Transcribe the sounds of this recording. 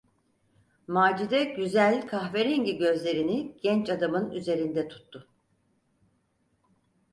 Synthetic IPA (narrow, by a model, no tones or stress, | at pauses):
maːd͡ʒid̪ɛɟyzælʲkʰaxveɾiɲɟiɟø̞zlʲe̞ɾiniɟ̥ɛnt͡ʃad̪amɯnyze̞ɾind̪ɛt̪ʰu̥t̪ʰːʊ